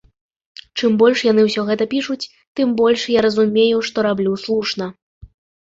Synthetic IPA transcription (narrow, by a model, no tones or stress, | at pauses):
t͡ʂɨmbɔlʲʂjan̪ɨwsʲɔɣɛt̪ɐpʲiʂut͡sʲ | t̪ɨmbɔlʲʂjaɾɐzumʲejuʂt̪ɔɾablʲuslˠuʂnɐ